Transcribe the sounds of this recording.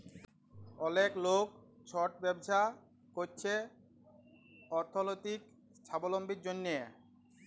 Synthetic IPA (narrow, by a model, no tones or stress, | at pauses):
ɔleklokt͡ɕʰɔʈbɛbʃa | kot͡ɕʰe | ɔɾt̪ʰːolot̪ik̚ | t͡ɕʰabolombʱiɾd͡ʑonːe